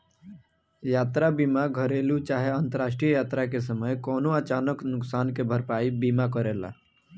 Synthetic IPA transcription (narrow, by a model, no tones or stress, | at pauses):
jaːt̪ɾabiːmaɡʱəɾeːlut͡ʃaːɦeə̃nt̪əɾaːsʈɾijəjaːt̪ɾakes̬əməjkɔːnoat͡ʃaːnəknʊksaːnkebʱəɾpaːibiːmak̬əɾeːla̰